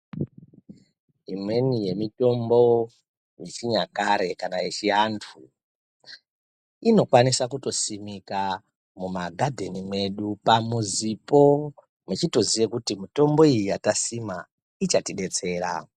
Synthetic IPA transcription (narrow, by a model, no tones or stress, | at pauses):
imwe̞nije̞mito̞mbo̞ | jet͡ʃiɲakaɾe̞kanajet͡ʃiɦantʰu | ino̞kwanisakuto̞simika | mumaɡʱadʱe̞nimwe̞ɗupamuzipo̞ | mwet͡ʃito̞ziʋekutimito̞mbo̞ijijatasima | it͡ʃatiɗe̞t͡se̞ːɾa̰